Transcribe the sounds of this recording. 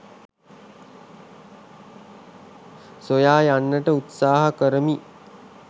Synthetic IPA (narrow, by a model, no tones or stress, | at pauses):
sojaːjanːəʈəut̪saːɦakəɾəmi